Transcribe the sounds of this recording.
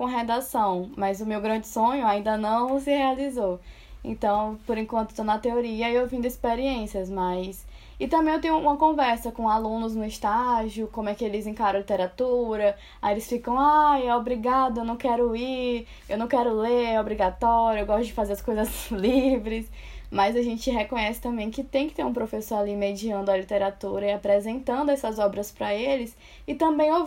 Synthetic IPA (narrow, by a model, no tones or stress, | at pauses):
kõɦɛd̪asɐ̃w̃mɐzʊmewɡɾɐ̃d͡ʒɪsõɲʊaĩnd̪ɐnɐ̃w̃sɪhealizow | ḛ̃t̪ɐ̃w̃poɾẽkwɐ̃nt̪ʊ̥t̪onɐt̪eoɾiɐiewvĩd̪ʊispeɾiẽsiɐzmajs | ɪt̪ɐ̃mbẽj̃ewt̪ẽj̃ũũmɐkõvɛɾsɐkõalũnʊznʊɪst̪aʒiʊkõmʊɛkɪelɪzẽkaɾɐ̃lit̪ɛɾat̪uɾɐ | aelɪsfikɐ̃w̃ajɛobɾiɡad̪ʊewnɐ̃w̃kɛɾʊiɾ | ewnɐ̃w̃kɛɾʊleɾɛobɾiɡat̪ɔɾjʊɐewɡɔst̪ʊd͡ʒɪfazeɾɐskojzɐzlivɾɪs | mɐjzaʒẽt͡ʃɪɦekõɲɛsɪ̥t̪ɐ̃mbẽj̃kɪt̪ẽj̃kɪ̥t̪eɾũpɾofesoɾalimed͡ʒiɐ̃nd̪ʊɐlit̪eɾat̪uɾɐɪapɾezẽnt̪ɐ̃nd̪ʊɛsɐzɔbɾɐspɾɐelɪs | ɪt̪ɐ̃mbẽj̃o